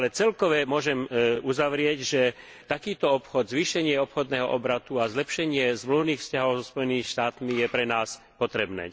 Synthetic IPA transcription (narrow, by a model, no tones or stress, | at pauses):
alɛt͡sɛlkɔʋɛmʊɔʒɛmuzaʋɾɪɛɟʒɛ | t̪akiːt̪ɔɔpxɔd̪zʋiːʃɛɲɪɛɔpxɔd̪nɛːɦɔʔɔbɾat̪uazlɛpʃɛɲɪɛzmluʋniːxfscaɦɔʊzɔspɔjɛniːmiʃt̪aːt̪mijɛpɾɛnaːs | pɔt̪ɾɛbnɛ̰ː